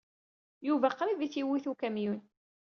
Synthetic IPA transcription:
juvæqɾiviθiwiθukæmjun

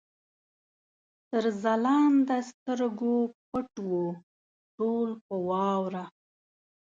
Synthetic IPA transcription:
t̪əɾzalɑnd̪əst̪əɾɡop̚əʈwu | ʈolpəwɑwɾa

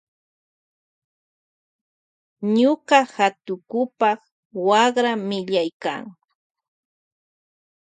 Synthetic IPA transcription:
ɲoqɑhat̪ʊkʊpɑχ | wɑχɾamɪʎajka̰ŋ

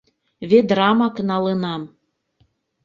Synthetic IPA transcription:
βed̪ɾɑmɑknɑlənɑm

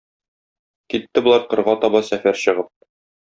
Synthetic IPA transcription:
kit̪ːɘbŏlˠɑɾqɤ̆ɾʁɑt̪ɒbɑsæfæɾɕɤ̆ʁɤp̚

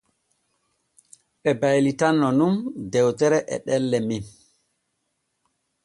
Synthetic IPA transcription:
ɓɛbajlitanːɔnumdɛwtɛɾɛʔɛ̰ɗɛlːɛmin

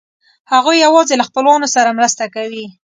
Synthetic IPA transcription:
haɣujːawɑzelaxpəlwɑnosaɾamɾəst̪akawi

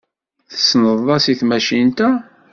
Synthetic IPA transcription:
θə̥snəðˤɑsiθmæʃint̪æ

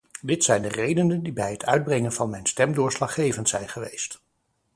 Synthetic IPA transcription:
dɪtsɛjndərejdənəndibɛjɦətʰœ̰ɥd̚brɛŋənvɑnmɛjnstɛmdʊːɹslɑχːejvəntsɛjnχəʋejst

